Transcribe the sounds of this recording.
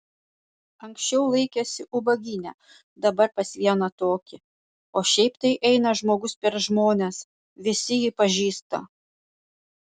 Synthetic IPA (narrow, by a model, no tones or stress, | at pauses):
ɐŋksʲt͡ʃʲɛʊlˠɐɪkʲesʲɪʔʊbɐɡʲɪnʲɛː | d̪ɐbɐɾpɐsʲʋʲiɛnɐt̪oːkʲɪ | oːʃʲɛɪpt̪ɐɪʔɛɪnɐʒmoːɡʊspʲɛɾʒmoːnʲes | ʋʲɪsʲɪjipɐʒʲiːst̪ɐ̰